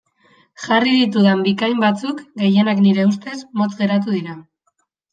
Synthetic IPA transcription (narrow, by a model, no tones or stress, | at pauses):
ʝariðit̪̬uðambikajmbat͡sukɡe̞je̞nakniɾe̞ust̪e̞smo̞t̪ɡe̞ɾat̪uðiɾa